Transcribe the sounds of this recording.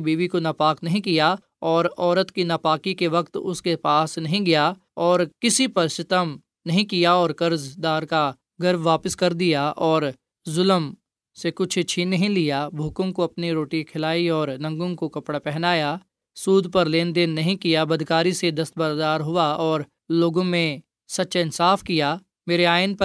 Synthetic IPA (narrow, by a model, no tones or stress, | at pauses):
biːʋikonaːpaːknɐɦĩkija | ɔːɾɔːɾət̪kinapaːkikeʋɐkt̪ʊskepaːsnɐɦĩɡɐja | ɔːɾkɪsipɐɾsɪt̪əm | nɐɦĩkijaɔːɾkɐɾzd̪aːɾka | ɡɐɾbʋaːpəɪskɐɾd̪ijaʔɔːɾ | zʊləm | sekʊt͡ʃʰt͡ʃʰinɐɦĩlijabʱuːkõkoɐpniɾoːʈikʰɪlaːiɔːɾnɐ̃ŋɡõkokɐpɽapɛɦnaːja | suːd̪ʱpɐɾleːnd̪eːnːɐɦĩkijabɐd̪ʱkaːɾised̪ɐst̪̚bɐɾd̪aːɾɦʊaɔːɾ | loːɡõmẽ | sɐtːʃaɪnsaːfkijaː | meːɾeaːɪnpɐ